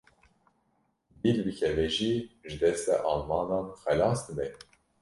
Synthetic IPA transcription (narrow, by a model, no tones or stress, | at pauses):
b̪ilbɨkʰɛvɛʒiʒɨd̪ɛst̪ɛ̰ʔɑlmɑːnɑnxɛlɑːsd̪ɨnɛ